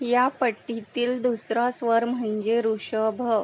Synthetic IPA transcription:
japəʈːit̪iːld̪usɾasʋəɾm̤ə̃ɲd͡ʑeɾuɕəbʱə

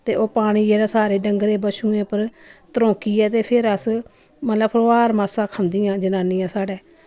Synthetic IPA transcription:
t̪ḛːʔoːpaːɽ̃iːeːdaːsaːɾeːɖəŋɡɾeːbəʃũːẽːpəɾt̪əɾõːkiːɛːt̪eːpʰɪɾəs | mət̪ləbpʰəoːaːɾmaːsãːkʰənd̪iːãːd͡ʒənãːniːãːsaːɖɛː

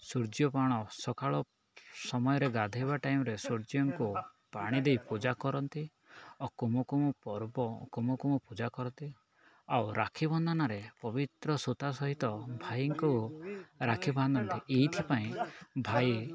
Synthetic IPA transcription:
suɾd͡ʒjɔpaɽ̃ɔsɔkaɭɔ | sɔmɔjɔɾeɡad̪ʱeβaʈajmɔɾesuɾd͡ʒijɔŋku | paɽ̃id̪ejpud͡ʒakɔɾɔnt̪i | ɔkumukumupɔɾbɔkomɔkumupud͡ʒakɔɾɔnt̪i | awɾakʰibɔnd̪ʱɔnaɾepɔbit̪ɾɔsut̪asɔɦit̪ɔbʱajŋku | ɾakʰiband̪ɔnt̪iʔeɦit̪ʰipaĩbʱaj

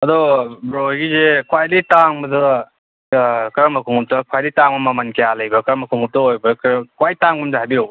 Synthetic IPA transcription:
ɐdɔbɾoɦjɡizekwajditaŋmɐdɐ | kɐɾɐmɐkʰuŋup̚tɐkʰwajdijtaŋmɐmamɐnkejalɐjbɐkɐɾɐmɐkʰuŋup̚tɐojbɐkkwajtaŋbumzeɦajbiɾowb

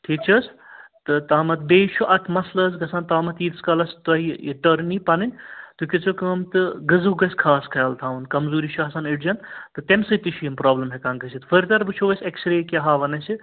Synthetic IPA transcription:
ʈʰik̚t͡ʃʰɐst̪ɨt̪aːmɐt̪̚beːt͡ʃʰuʔɐt̪ʰmɐslɐsɡɐsaːnt̪aːmɐt̪iːt̪skɐlɐst̪ɐɦiḭʈɐɾnipɐnɨnʲt̪ukit͡sokəːmt̪ɨɡɨzuɡɐsʲkʰaːskʰɐːlt̪ʰaːʋɐnkɐmzuːɾit͡ʃʰuɐsaːniɖd͡ʒɐnt̪ɨt̪emsɨt̪iʃʰiimpɾaːblɐmɦekaŋɡɐsʰit̪fɐɾt̪ɐɾbɨt͡ʃʰoːʋɐsʲeksɾeːkʲeɦaːʋɐnɐsi

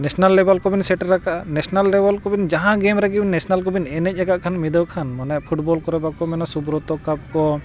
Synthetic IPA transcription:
nɛsnalːɛbalkɔbinsɛʈɾakaʔanɛsnalːɛbalkɔbind͡ʒaɦãɡemɾɛɡibnːɛsnalkɔbinɛnɛc̚ˀaɡaʔkʰanmid̪əwkʰanmɔnapʰuʈbɔlkɔɾɛbakɔmɛnasubɾɔt̪ɔkap̚kɔ

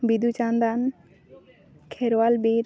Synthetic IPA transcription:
bid̪ut͡ʃand̪an | kʰɛɾwalbiɾ

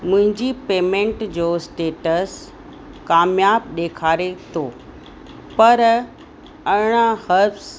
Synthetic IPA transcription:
mʊ̃ɦɪ̃ɲd͡ʑipeːmẽːɳʈd͡ʑoːsʈeːʈəs | kaːmjaːbɗeːkʰaːɾet̪ʰoː | pɐɾ | ɐɪɽ̃ahəɾfs

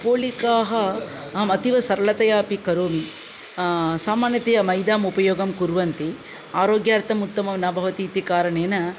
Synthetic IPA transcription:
poːlikaːɦɐ | mɐt̪iʋɐsɐɾɐɭɐt̪ɐjaːpikɐɾoːmi | saːmaːnjɐt̪eːjɐmɐjd̪aːmupɐjoːɡɐmkuɾʋɐnt̪i | aːɾoːɡjaːɾt̪ɐmut̪ːɐmɐʋinaːbʱɐʋɐt̪iːt̪ikaːɾɐɳeːnɐ

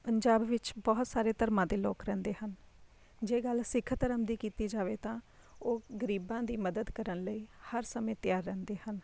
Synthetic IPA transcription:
pəɲd͡ʒaːbʋɪt͡ʃbɔːɦt̪saːɾeːt̪əɾmãːd̪eːloːkɾɛ̃ːnd̪eːhən | d͡ʒeːɡəlsɪkʰt̪əɾəmd̪iːkiːt̪iːd͡ʒaːʋeːt̪ãː | oːɡəɾiːbãːd̪iːməd̪əd̪kəɾənləiːhəɾsəmẽːt̪ɪjaːɾːɛ̃ːnd̪eːhən

